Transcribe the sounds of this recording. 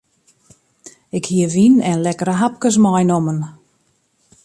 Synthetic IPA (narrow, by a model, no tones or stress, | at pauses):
ɪkhiəʋinɛnlɛkəɾəɦap̚kəs̬mɔjnomən